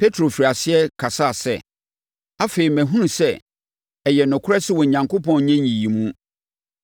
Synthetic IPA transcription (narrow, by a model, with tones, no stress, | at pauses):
pʰe˦tʰɾo˨fi˨ɾa˨sɪ˦ɛ˦kʰa˨sa˦˨sɛ̰˦˨ | a˦fe˨i˨mæ̃˨ɦũ˦ũ˨sɛ˦ | ɛ˨jɛ˨nʊ̃˨kʰʊ˦ɾɛ˦sɪ˦wɔ˨ɲã˨ŋko˦pɔ̃˨nɲɛ̃˦ɲi˨i˨mũ˦